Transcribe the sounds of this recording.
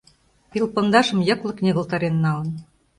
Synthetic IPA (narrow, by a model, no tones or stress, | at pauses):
pilpŏnd̪ɑʃɤ̆mjɤ̆klˠɤ̆knʲeɣɤ̆lˠt̪ɑɾenːɑlɤ̆n